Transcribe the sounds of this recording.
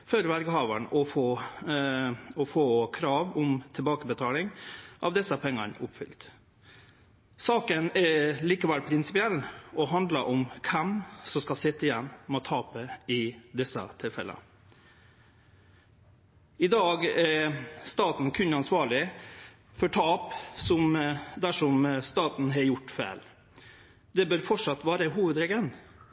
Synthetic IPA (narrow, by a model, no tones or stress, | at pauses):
fɔɾʋæɾɡəhɑːʋəɳʔɔfoː | ɔfoːkʰɾɑːʋɔmt̪ʰɪlbɑːkəbət̪ʰɑːlɪŋʔɑ̰ʋd̪ɛsəpʰɛŋːəɳʊpfʏ̰lt̪ | sɑːkənɛɾliːkəʋɛlpʰɾɪnsɪpɪɛlːɔɦɑnd̪ləʔɔmkʰɛmsɔmskɑlsɪt̪ːəɪjɛnːmɔt̪ʰɑːpəɪd̪ɛsə̰t̪ʰɪlfɛ̰lə̰ | ɪd̪ɑːɡɛɾst̪ɑːt̪n̩kʰʉnːɑnsʋɑːɭɪ | fɔʈʰɑːpsɔmd̪æʂɔmst̪ɑːt̪n̩ɦɑɾjʊʈːfæ̰ːl | d̪ɛbœɾfɔʈʂɑt̪ːʋɑːɾəɦuːʋəd̪ɾɛɡən